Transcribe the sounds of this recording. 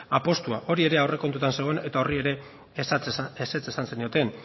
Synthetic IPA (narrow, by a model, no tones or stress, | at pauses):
apo̞st̪uaʔo̞ɾie̞ɾe̞awre̞ko̞nt̪ut̪anse̞ɣ̞oene̞t̪ao̞rie̞ɾe̞ | eset͡se̞sanse̞nio̞t̪e̞n